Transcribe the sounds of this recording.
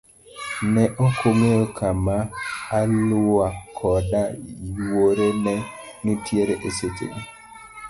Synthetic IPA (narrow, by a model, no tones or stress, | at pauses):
nɛʔokʰoŋeokʰamaːlʊakʰɔdawoɾenɛnɪtjeɾeʔesetḛɡe